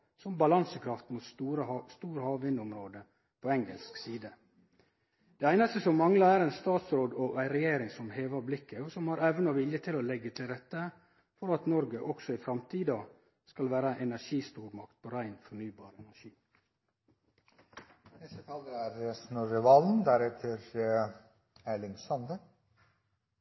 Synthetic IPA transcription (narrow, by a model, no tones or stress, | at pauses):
sɔmbɑlɑnsəkʰɾɑft̪muːt̪suːɾəst̪uːɾəhɑːʋʋɪnd̪ɔmɾoːd̪ə | pʰoɛŋə̰lsksiːd̪ə | d̪̥ɛæɪnɑst̪əsɔmːɑŋlɑæɾɛɪnst̪ɑːt̪sɾoːd̪oʔæɪɾɛjeːɾɪŋsɔmheːʋɑɾblɪkːəoːsɔmhɑɾɛʋnɑʋɪljət̪ʰɪlolɛɡːət̪ʰɪlɾɛt̪ːə | fɔɾɑt̪nɔɾɡəʔɔksɔɪfɾɑmt̪ʰiːd̪ɑ | skɑlʋæːɾəʔɛnæʂiːst̪uːɾmɑkt̪̚pʰoːɾæɪnfɔɳyːbɑːɾɛnæʂiː | d̪ɪsət̪ʰɑːlːəɾæɾəsnoɾɪʋɑːln̩d̪æɾɛt̪ʰəɾ | ælɪnsɑnd̪ə